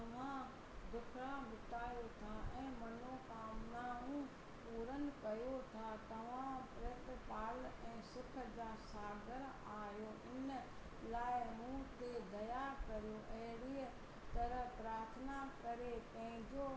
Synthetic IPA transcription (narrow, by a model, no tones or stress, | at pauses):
t̪ɐʋ̤ã | d̪ʊkʰɾabʊt̪aːjot̪ʰaɛ̃ːmɐnokaːmnaːɦũ | puːɾən̆kɐjot̪ʰat̪ɐʋ̤ãpɾeːtpaːlɛ̃ːsʊkʰd͡ʑaːsaːɡəɾ | aːjoʔɪn | laːɪmũːt̪ed̪ɐjaːɾkɐɾijoʔɐɦɪɽiːə | t̪ɐɾəɦpɾaːɾt̪ʰənakɐɾepɐ̃ɦɪ̃ɲd͡ʑo